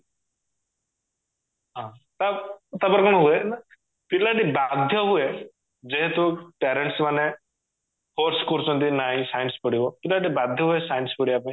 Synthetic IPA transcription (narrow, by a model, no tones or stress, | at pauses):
ɦã | t̪at̪apɔɾkɔɽ̃ɔ̃ɦuena | pilaʈibad̪ʱjɔɦue | d͡ʒeɦet̪uʈeɾeɳʈsmane | poɾskɔɾut͡ʃʰɔnt̪inaɦĩsajnspɔɽibɔpilaʈibad̪ʱjɔɦuesajnspɔɽiapĩ